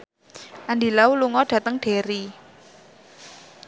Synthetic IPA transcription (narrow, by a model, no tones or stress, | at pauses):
ʔandilauluŋɔɖ̥ä̤t̪əŋɖ̥e̤ɾi